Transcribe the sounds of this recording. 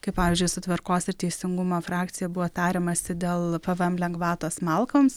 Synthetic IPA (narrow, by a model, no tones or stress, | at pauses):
kɐɪppɑːʋʲiːzʲd͡ʒʲʊɪsʊt̪ʲʋʲɪɾkoːsɪɾt̪ʲɛɪsʲɪŋɡʊmoːfɾɑːkt̪sʲɪjɛbʊʋoːt̪ɑːɾʲeːmɐsʲɪd̪ʲeːlˠpɐʋɛmlʲɛŋɡʋɑːt̪oːsmɐlˠkoːms